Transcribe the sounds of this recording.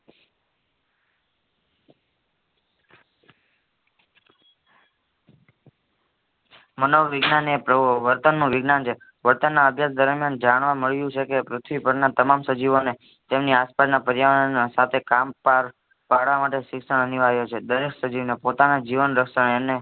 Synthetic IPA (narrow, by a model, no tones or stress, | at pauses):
mənoʋʋɪɡnanepɾəʋəɾt̪ənːũʋɪɡnant͡ʃʰe | ʋəɾt̪ənːaəbʱjasd̪əɾmjand͡ʒaɽ̃ʋaməɭjũt͡ʃʰekepɾʊt̪ʰʋipəɾnat̪əmamsəd͡ʒiʋone | t̪emniaspasnapəɾjaʋnansat̪ʰekampaɾ | paɽʋamaʈeʃɪkʃəɳ̃əniʋaɦjot͡ʃʰed̪əɾeksəd͡ʒiʋnepot̪anad͡ʒiʋənɾəkʃəɳene